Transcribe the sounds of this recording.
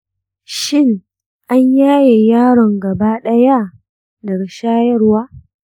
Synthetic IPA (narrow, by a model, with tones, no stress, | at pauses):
ʃɪ˦˨ŋ | ʔa˦ɲjaː˦je˨jaː˦ɽɔ˨ŋɡɐ˨ba˦ɗɐ˦ja˦ | dɐ˨ɡʃaː˦jɐ˦rwaː˦